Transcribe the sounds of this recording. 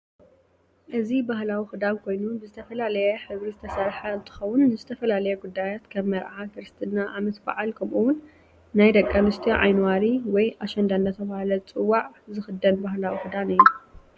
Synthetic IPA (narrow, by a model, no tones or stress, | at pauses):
ʔɨzibaɦlawixɨd̪ankʰo̞jnubɨzɨt̪ʰɐfɐlalɐjɛħɨβɾizɨt̪ʰɐsaɾħaɨnt̪ʰɨ̥xɐwːʊnːɨzɨt̪ʰɐfɐlalɐjɛɡud̪ːajat̪kʰɐmːɐɾʔakʰɨɾɨst̪ʰɨnːaʔamɐt̪ba̰ʕalkʰɐmʔuwʊnː | ajd̪ɐkʼːɐmɨst̪ʰijoʕa̰jnuwaɾiwɔjʔaʃɐnd̪and̪ɐt̪ʰɐβahlɐt͡sʼɨwːaʕzɨxɨd̪ːɐnbaɦlawixɨd̪anɨjːu